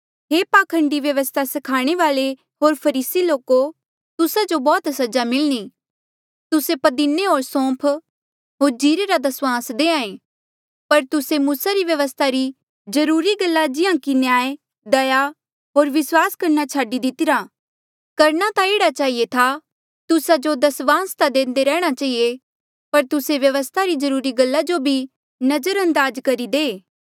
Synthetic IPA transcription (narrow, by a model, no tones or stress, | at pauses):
ɦeːpaːkʰə̃ɳɖiʋjɐʋəst̪ʰasɐkʰaːɽ̃eʋaːle | ɦoːɾpʰɐɾiːsiloːko | t̪ʊsad͡ʒobɔːt̪sɐd͡ʒamɪlñi | t̪ʊsepɐd̪ineɦoːɾsɔ̃ːpʰ | ɦoːɾd͡ʒiːɾeɾad̪ɐswãːsd̪eːãːẽː | pɐɾt̪ʊsemuːsaɾiʋjɐʋəst̪ʰaɾi | zɐɾuːɾiɡɐlːad͡ʒɪjãkinjaːe | d̪ɐja | ɦoːɾʋɪswaːskɐɾnat͡ʃʰaːɖid̪ɪt̪ɪɾa | kɐɾñat̪aeːɽat͡ʃaːɦiet̪ʰa | t̪ʊsad͡ʒod̪ɐsʋãːst̪ad̪ẽːnd̪eɾɛːɽ̃at͡ʃaːɦije | pɐɾt̪ʊseʋjɐʋəst̪ʰaɾizɐɾuːɾiɡɐlːad͡ʒobʱi | nɐd͡ʒəɾɐ̃nd̪aːd͡ʒkɐɾid̪eː